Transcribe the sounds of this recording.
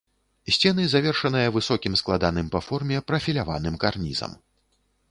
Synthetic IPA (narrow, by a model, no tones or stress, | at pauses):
sʲt͡sʲɛnɨzavʲɛrʂɐnɨjɐvɨsɔkʲimsklˠad̪anɨmpɐfɔrmʲɛpɾɐfʲilʲava̰n̪ɨmkarnʲḭzɐ̰m